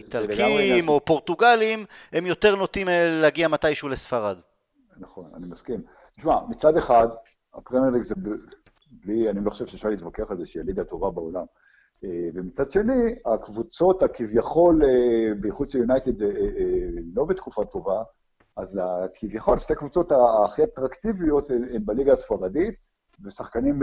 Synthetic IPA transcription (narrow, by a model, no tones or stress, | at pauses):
itakimo̞po̞ʁt̪uɡalimemjo̞t̪e̞ʁno̞t̪imellaɡiamat̪ajʃuːlesfaʁad̪ | naχo̞na̰nimaskim | t̪iʃmamit͡sad̪e̞χad̪ | a̰pʁemelikzeb | blianiloχoʃevʃeʃaʁliːt̪vakeaχalzeʃialiɡat̪o̞vabao̞lam | evemit͡sad̪ʃe̞niakvut͡so̞t̪akivjaχo̞lebeχut͡sajunajt̪ed̪ | lo̞bet̪kufat̪o̞va | azakʰivjaχo̞lʃtekvut͡so̞t̪aχiat̪ʁakt̪ivijo̞t̪embaliɡaːsfaʁadit̪ | vesaχkanim